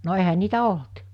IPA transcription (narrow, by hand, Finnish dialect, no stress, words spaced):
no ehæ niːtæ olt